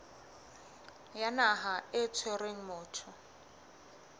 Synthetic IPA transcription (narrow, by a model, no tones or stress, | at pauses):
janaɦaɪt͡sʰwɛreŋ̩mʊːtʰɔ